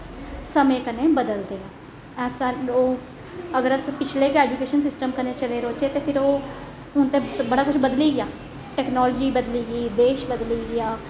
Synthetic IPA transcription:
səmẽːkəneːbəd̪əld̪eːaː | ɛːsãoː | əɡəɾəspɪt͡ʃʰleːkɛːd͡ʒuːkeːʃənsɪsʈəmkəneːt͡ʃəleːɾoːt͡ʃeːt̪eːpʰɪɾoː | ʊnt̪eːbəɽaːkʊt͡ʃʰbəd̪liːɡɪaː | ʈɛːknɔːlːd͡ʒiːbəd̪liːɡiːd̪eːʃbəd̪liːɡɪaː

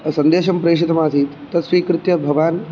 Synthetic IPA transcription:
sɐnd̪eːʃɐmpɾeːʂ̬it̪ɐmaːt̪iːt̪t̪ɐt̪sʋiːkɾɪt̪jɐbʱɐʋaːn

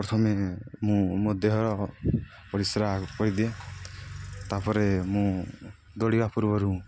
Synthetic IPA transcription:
pɾɔt̪ʰɔmemũmod̪eɦɔɾɔ | pɔɾisɾaɦpɔɾid̪ia | t̪apɔɾemũ | d̪oɽibapuɾbɔɾũ

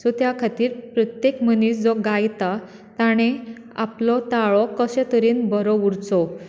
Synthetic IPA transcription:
sɔt̪jakʰat̪iːɾpɾət̪jekməniːsd͡zɔɡajt̪a | t̪aɽ̃e | a̰plɔt̪aɭɔkəɕɛ̃t̪əɾiːnbʱəɾɔuɾt͡sɔ

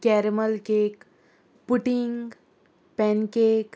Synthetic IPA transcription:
kɛːɾeməlkek | puʈiŋɡ | pɛnkeːk

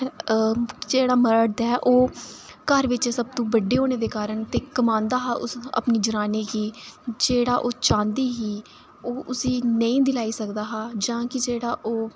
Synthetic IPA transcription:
d͡ʒeːɽaːməɾəʈd̪aɛʔoː | kəɾʋɪt͡ʃsəb̚t̪ũːbəɖːeːɦoːneːd̪eːkaːɾəɳt̪eːkəmãːnd̪aːɦaːʔʊsə̰pniːd͡ʒəɾaːniːkiːd͡ʒeːɽaːʔoːt͡ʃãːnd̪iːɦiː | oːʔʊsiːnəĩːd̪ɪlaːiːsəkd̪aːɦaːd͡ʒãːkɪd͡ʒeːɽaːʔoː

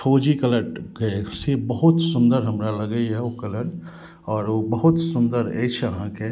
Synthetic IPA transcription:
fʰoːd͡ʒikələʈkesebəɦʊt̪sʊ̃nd̪əɾɦɐmɾalɐɡəiɦɛokələʈ | ɔːɾobəɦʊt̪sʊnd̪əɾḛt͡ʃʰəɦãke

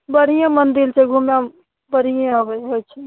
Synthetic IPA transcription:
bəɽ̤ijãmənd̪ilt͡ʃʰɛɡʱumja | bəɽijãɦəbəɦojt͡ʃʰɛ

